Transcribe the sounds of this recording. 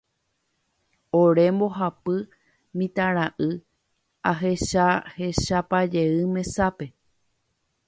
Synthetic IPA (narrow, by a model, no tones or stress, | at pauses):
oɾe̞mbo̞ɦapɨ | mĩt̪ãɾ̃aʔɨ | aɦe̞ʃahe̞ʃapad͡ʒe̞ɨmẽ̞sape̞